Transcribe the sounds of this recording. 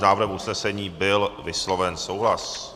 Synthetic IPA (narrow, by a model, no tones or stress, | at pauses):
naːvr̩ɦɛmʔusnɛsɛɲiːbɪlvɪslo̞vɛnsowɦlas